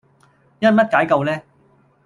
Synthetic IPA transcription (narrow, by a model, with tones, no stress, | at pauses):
jɐ˥n̚mɐ˥t̚kaː˨˥jkɐ˧wlɛː˦˥